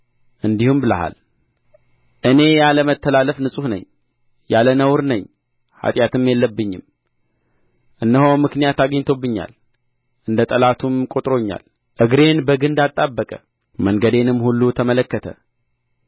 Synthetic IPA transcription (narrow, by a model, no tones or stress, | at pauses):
ʔɨnd̪ihumbɨlə̰ɦa̰l | ʔɨne̞jaləmət̪ʰːəlaləfnɨsʼuhnə̰ɲ | jalənəwɾnəɲː | ha̰t̪ʼjat̪ʰɨmjɛlːəbːɨɲːɪm | ʔɨnːəhowmɨknijat̪aɡəɲːt̪ʰo̞bːɨɲːa̰l | ʔɨnd̪ət̪ʼəlat̪ʰumkʼot̪ʼɾo̞ɲːa̰l | ʔɨɡɾe̞nbəɡɨnd̪at̪ʼːabːəkʼə̰ | məŋɡəd̪e̞nɨmhulːut̪ʰəmələkːət̪ʰə̰